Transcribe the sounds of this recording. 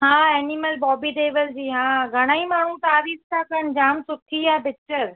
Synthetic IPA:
ɦãːeːniməlbɔːbiʈeːʋəld͡ʑiːɦãːɡʱɐɽ̃aːimaːɳ̤ũt̪aːɾiːst̪ʰakɐnd͡ʑaːmsʊʈʰiabɪt͡ɕəɾ

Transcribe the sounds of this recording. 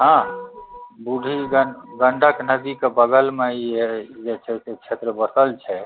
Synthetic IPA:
ɦã | buɖʱiɡəɡəɳɖʱəknəd̪ikebəɡəlmeied͡ʒet͡ʃʰɛset͡ʃʰet̪ɾəbəsəlt͡ʃʰɛ

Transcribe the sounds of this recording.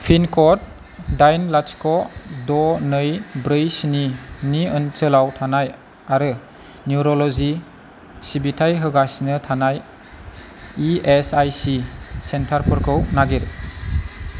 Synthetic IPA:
pʰinkʰɔt̚ | dajnlat͡ʃkʰɔdɔnɯjbɾɯjsininiɯnt͡ʃɯlawtʰanaj | aɾɯ | njuɾɔlɔzi | sibitʰajɦɯɡasnɯtʰanaj | iesajsisentʰaɾpʰɯɾkʰɯwnaɡiɾ

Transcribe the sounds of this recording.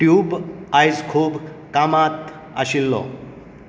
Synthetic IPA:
ʈjubajd͡zkʰub | kamat̪ | a̰ɕilːɔ̰

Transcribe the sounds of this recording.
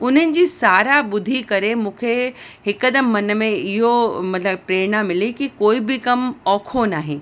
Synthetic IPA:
ʊn̤ənɪ̆d͡ʑiːsaːɾaɓʊd̪ʱikɐɾemũːkʰeɦɪkːəd̪əmːɐnəmẽɪɦomɐt̪ləbpɾeːɾnamɪlikikoːibɪkɐmɔːkʰonaːɦẽ

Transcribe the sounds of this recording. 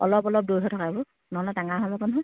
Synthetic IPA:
ɔlɔpɔlɔp̚dowtʰɔtʰɔkabɔ | nɔlɔtaŋaɦalɔkɔnɦɔj

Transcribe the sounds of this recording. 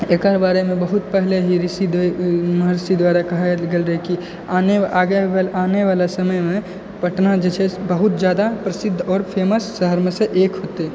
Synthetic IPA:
eːkaɾbaːɾemẽbəɦʊt̪pɛɦleɦiɾɪsid̪mɦəɾsid̪waːɾakɐɦɡelɾəɦeki | aːne | aːneʋaːlasɐməjmẽ | pɐʈnad͡ʒet͡ʃʰebəɦʊt̪d͡ʒjaːd̪apɾɐsɪd̪ʱːɔːɾpʰeːməsːəɦəɾmseʔeːkɦoːt̪e

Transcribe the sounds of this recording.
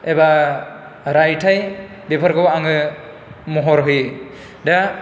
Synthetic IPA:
eba | ɾajtʰaj | bepʰaɾɡɔwaŋɯ | mɔɦɔɾɦuj | da

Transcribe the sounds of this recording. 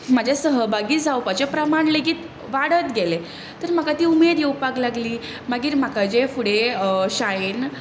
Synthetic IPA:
mad͡ʑʱjasəɦəbaɡiːd͡zawpat͡ɕapɾəmaɳleɡiːt̪ | ʋaɽət̪ɡele | t̪əɾm̤akat̪iːumed̪jewpaklaɡliː | maɡiːɾm̤akad͡ʑefuɽeɕajen

